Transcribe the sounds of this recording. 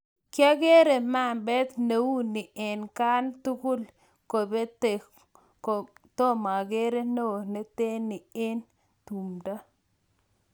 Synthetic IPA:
kja˦ɡe˦ɾe˨ma˦˨mbɛ˦t̪ne˨wu˦ni˨ʔe˨nka˦nt̪u˦ku˦l | ko˨be˦t | t̪o˦ma˨ɡe˦ɾe˦no˦ne˦t̪e˦ni˨e˦n | t̪u˨mda˦

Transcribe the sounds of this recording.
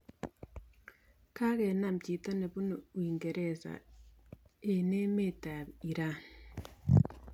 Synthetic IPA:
ka˦ɣɛ˨na˦m̩t͡ʃi˨ta˦ne˨βu˦no˨wiː˨ŋɡe˨ɾe˨sa̰˨ | e˨ne˦me˦˨ta˨i˨ɾa˦

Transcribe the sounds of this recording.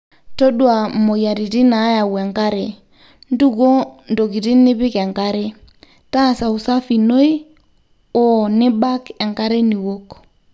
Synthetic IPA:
to˦ɗwa˨mo˨ja˨ɾi˨ti˦na˨˦ja˨wɛ˨ŋka˦ɾe˨ | n˦du˦ko˦ndo˨k̬i˨ti˦nɪ˦pɪ˦kɛ˨ŋka˦ɾe˦ | ta˦˨sa˨u˨sa˦fi˨no˦j | ɔ˨nɪ˦ba˦kɛ˨ŋka˦ɾe˦ni˨wo˦k

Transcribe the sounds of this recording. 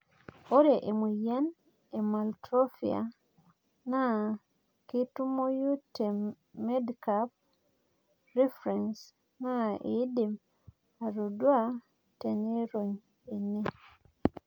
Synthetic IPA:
o˦ɾe˨ʔe˨mu˨ja˦n | e˨ma˨ltɾo˦fia̰˨ | na˦ | ki˦tu˦mo˦ju˦te˨ | me˦dkap̚ | ɾi˦fɾɛns | na˦ḭ˨˦di˨m | a˨ɾo˨dwa˦ | tene˦ɾoɲ | e˨nːe˦

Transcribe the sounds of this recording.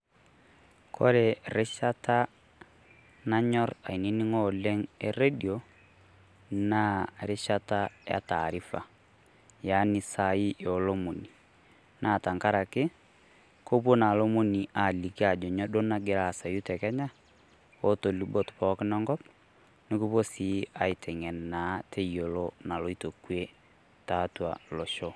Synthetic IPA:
kʰo̰˦ɾe˨ɾe˦ʃa˦ta˦ | na˦ɲɔ˦ɾa̰˨i˨ni˦nɪ˦ŋɔ˦le˦ŋɛ˦re˦di˨o˨ | na˦ɾe˦ʃa˦ta˦ja̰˨ta̰˨ɾi˦fa̰˨ | ja˦nɪ˦sa˨i˦ʔɔ˨lo˦mo˨ni˨ | na˨ta˨ŋka˦ɾa˨kɪ˦ | ko˦pwɔ˦na˨lo˦mo˦ni˨a˨li˨ki˦a˨d͡ʒɔ˨ɲɔ˦do˦na˦ɡe˨ɾa˨sa˨ju˦tɛ˨kɛ˦ɲa˦ | o˦to˨libɔtpɔknɔ˦ŋɡɔ˦p | ne˦ku˦βo˦si˨a˨i˨tʰɛ˨ŋɛ˨na˦tʰe˦io˨lɔna˨lo˨ito˨kwɛ | tatwa̰lo˨ʃɔ

